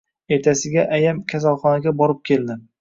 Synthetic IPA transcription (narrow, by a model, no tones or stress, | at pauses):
e̞ɾt̪ʰasɪɡʲaʔajamkʲʰas̬alˠχɒnaɡʲabɒɾɪp̚kʲʰe̞ld̪ɪ